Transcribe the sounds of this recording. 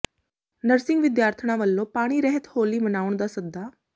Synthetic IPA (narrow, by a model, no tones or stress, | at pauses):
nəɾsɪŋɡʋɪd̪jaːɾt̪ʰəɳ̃ãʋəlːõpaːɽ̃iːɾɛɦət̪hoːliːbənaːʊɳ̃d̪aːsəd̪ːaː